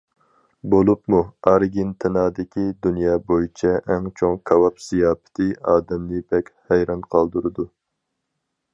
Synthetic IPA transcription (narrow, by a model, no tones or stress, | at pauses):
bolˠupmuɑɾɡʲint̪ʰɪnɑːd̪ɪkʲʰid̪unjɑːbojit͡ʃʰɛʔɛŋt͡ʃʰoŋkʰɑwɑpz̥ijɑːpɪ̥t̪ʰɪɑːd̪ɛmlɨbɛkʲhɛjɾɑnqʰɑlˠd̪uɾɨd̪u